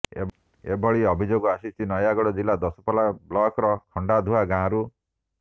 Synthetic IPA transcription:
ḛ | ḛbʱɔɭiɔbʱid͡ʒoɡɔasit͡ʃʰinɔjaɡɔɽɔd͡ʒilad̪ɔsɔ̥palablɔkɾɔkʰɔɳɖad̪ʱuaɡãːɾu

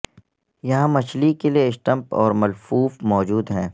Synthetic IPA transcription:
jɐɦãmɐt͡ʃlikelieɪsʈə̃mpɔ̰ːɾmɐlfuːfmɔːd͡ʒuːd̪ɦɛ̃ː

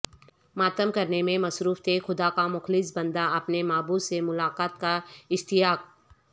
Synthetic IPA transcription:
maːt̪əmkɐɾnemẽmɐsɾuːft̪ʰexʊd̪akamʊxlɪsbɐ̃nd̪aɐpnemaːbusemʊlaːqaːt̪kaɪst̪ɪjaːk̚

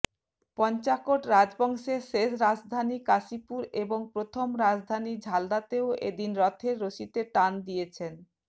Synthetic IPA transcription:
pɔnt͡ɕakoʈɾad͡ʑbɔŋʃeʃeʃɾad͡ʑd̪ʱanikasipuɾeboŋpɾot̪ʰomɾad͡ʑd̪ʱanid͡ʑʱald̪at̪eoʔḛd̪inɾɔt̪ʰeɾːoʃit̪eʈand̪ijet͡ɕʰen

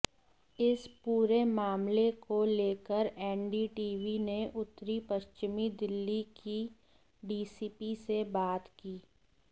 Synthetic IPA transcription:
ɪspuːɾemaːmlekoleːkəɾɛːɳɖiːʈiːʋineʔʊt̪ːɾipɐʃt͡ʃɪmid̪ɪlːiki | ɖiːsipisebaːt̪kiː

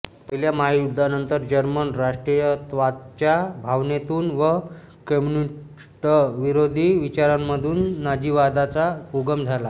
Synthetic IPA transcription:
pəɦiljamaɦjud̪ʱːanənt̪əɾd͡ʑəɾmənɾaʂʈɾijət̪ʋat̪̚t͡ɕjabʱaʋnet̪uːnʋə | kəmuni | ʈəʋiɾod̪ʱiːʋit͡ɕaɾamːəd̪ʱuːnːad͡ʑiʋad̪at͡sauɡəmd͡zʱala

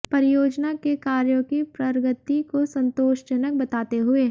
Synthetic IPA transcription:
pɐɾɪjoːd͡ʒnakekaːɾjõkipɾɐɾɡət̪ikosɐ̃nt̪oːʃt͡ʃɐnək̚bɐt̪aːt̪eɦʊeː

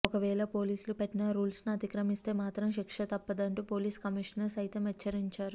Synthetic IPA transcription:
ɔkɐʋɛːɭɐpoːliːsulupeʈːinɐɾuːlsniɐt̪ikɾɐmist̪e̞ːmaːt̪ɾɐmʃikʂɐt̪ɐpːɐd̪ɐɳʈuːpoːliːskɐmiʂɐnɐlusɐjt̪ɐmjɐt͡ʃʰːɐɾiɲt͡ʃaːɾu

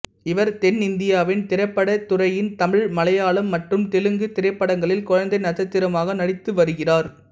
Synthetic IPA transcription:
ɪʋɐɾt̪ɛnɪnd̪ɪjaːʋɪnt̪ɪɾɐɪpːɐɽɐt̪ʊrɐjɪnt̪ɐmɪɻmɐlɐjaːɭɯmːɐʈrɯmt̪ɛlɯŋɡɯt̪ɪɾɐɪpːɐɽɐŋɡɐɭɪlkʊɻɐnd̪ɐɪnɐðɐt̪ːɪɾɐmaːɣɐnɐɽɪt̪ːɯʋɐɾɯɣɪraːɾ

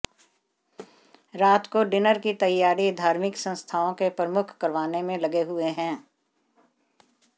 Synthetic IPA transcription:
ɾaːt̪koɖɪnəɾkit̪ɐjːaːɾid̪ʱaːɾmɪksə̃nst̪ʰaːõkepɾəmʊkʰkɐɾʋaːnemẽlɐɡeɦʊeɦɛ̃ː

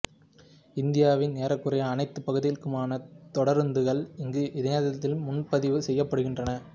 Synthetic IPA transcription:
ɪnd̪ɪjaːʋɪnneːɾɐkːɯrɐjɐːnɐɪt̪ːɯpːɐɣɯðɪjɪkːɯmaːnɐt̪ɔɽɐɾnd̪ɯɣɐɭɪŋɡɯʔɪðɪnɐðɐt̪ːɪlmʊnpɐðɪʋɯsɛjːɐpːɐɽɯɣɪndrɐnɐ

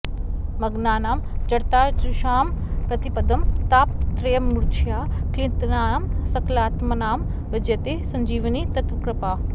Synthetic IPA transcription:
mɐɡnaːnaːmd͡ʒɐɽt̪aːd͡ʒɾuʃaːmpɾɐt̪ipɐd̪ɐmt̪aːpt̪ɾejɐmːuɾt͡ʃʰijaːklint̪naːnamsɐklaːt̪mɐnaːm | bɐd͡ʒjɐt̪esɐ̃ɲd͡ʒiːʋɐnit̪ɐt̪ʋɐkɾɐpaː

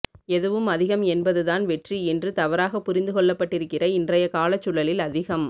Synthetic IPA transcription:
ɛðɯʋɯmɐðɪɣɐmɛnbɐðɯðaːnʋɛʈriɛndrɯt̪ɐʋɐɾaːɣɐpːʊɾɪnd̪ɯkɔɭːɐpːɐʈːɪɾɯkːɪrɐɪndrɐjɐkaːlɐt͡ʃːʊɭɐlɪlɐðɪɣɐm

